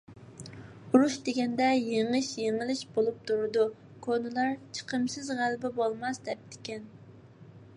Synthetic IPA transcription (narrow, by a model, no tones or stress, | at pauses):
ɾuʃd̪eɡʲɛnd̪ɛjeŋɨʃjeŋɪlɪʃbolˠup̚t̪ʰuɾɨd̪u | kʰonɨlˠɑɾt͡ʃʰə̥qʰəmsɨzʁælbɪbolˠmɑsd̪ɛp̚t̪ʰɪ̥kʲɛn